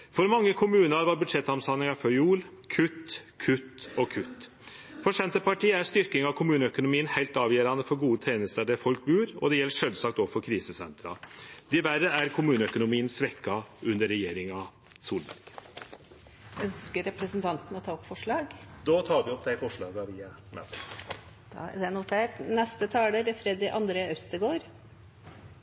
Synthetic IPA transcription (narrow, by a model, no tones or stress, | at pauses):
fɔɾmɑŋːəkʰʊmʉːnəɾʋɑɾbʉd̪ʂɛt̪hɑmsɑnɪŋɑfœuːlkʰʉt̪ːkʰʉt̪ːɔkʰʉt̪ː | fɔʂɛnt̪əpɑʈʰiːəæʂt̪ʏɾkɪŋɑkʰʊmʉːnəœkʊnʊmiːənhæɪlt̪ɑːʋjeːɾɑnəfɔɾɡuːət̪ʰeːnəst̪əɖ̪æfɔlk̚bʉːɾɔ̰d̪ɛjɛlːəʂœlsɑkt̪ɔːʋfɔɾkʰɾiːsəsɛ̰nt̪ɾɑ̰d̪̥ɪʋæɾəæɾkʰʊmʉːnəœkʊnʊmiːənsʋɛkːɑʉnd̪əɾːɛjeːɾɪŋɑ | suːlbæ̰ɾɡ̥ | œnskəɾɛpɾəsənt̪ʰɑnt̪n̩ɔt̪ʰɑːɔpfɔʂɭɑːɡd̪oːt̪ʰɑːʋɪɔpd̪æɪfɔʂɭɑːɡɑʋiːɑmæ̰t̪ə | d̪̥d̪ɛnʊʈʰeːʈnɛst̪ət̪ʰɑːd̪əɾfɾɛd̪ɪʔɑnd̪ɾeːœst̪əɡoːɾ